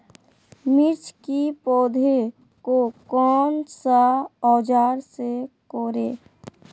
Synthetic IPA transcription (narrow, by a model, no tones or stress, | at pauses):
mɪɾt͡ʃʰkipɔːd̪ʱe | kokɔːnsaɔːd͡ʒaːɾsekoːɾeː